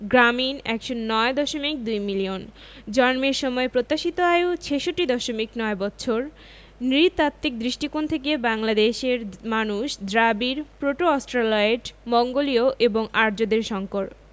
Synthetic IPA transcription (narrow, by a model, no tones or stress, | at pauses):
ɡɾaminɛkʃonːɔed̪ɔʃomik̚d̪ujmilion | d͡ʑɔnmeɾʃɔmɔepɾot̪ːaʃit̪oaeot͡ɕʰeʃoʈːid̪ɔʃomiknɔebɔtːɕʰoɾ | nɾit̪at̪ːik̚d̪ɾiʃʈikont̪ʰekebaŋlad̪eʃeɾmanuʃd̪ɾabiɾpɾoʈoɔsʈɾalaeʈmɔŋɡolioʔeboŋaɾd͡ʑod̪eɾʃɔŋkoɾ